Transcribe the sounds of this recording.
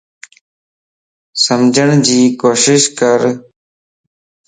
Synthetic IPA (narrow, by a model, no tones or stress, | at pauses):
səmd͡ʒəɳd͡ʑiːkoːʃɪʃkəɾ